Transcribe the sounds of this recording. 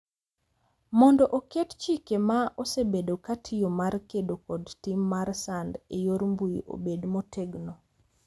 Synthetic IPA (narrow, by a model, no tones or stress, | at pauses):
mɔndɔʔokett͡ʃikemaʔɔsebedokatʰɪjomarkedokɔdtimːaɾsandejoɾmbuiʔo̰bedmotʰeɡno